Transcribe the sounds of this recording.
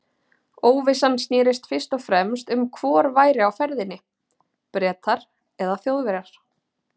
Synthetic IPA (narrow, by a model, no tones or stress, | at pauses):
oːwvɪsansnɪːɾɪst̪fɪr̥st̪ɔfɾɛmst̪ʏmkʰvɔːɾvaːjɾɪawfɛɾðɪnːɪ | pɾɛːt̪ʰaɾ̥ | ɛðaθjoːwðvɛɾaɾ̥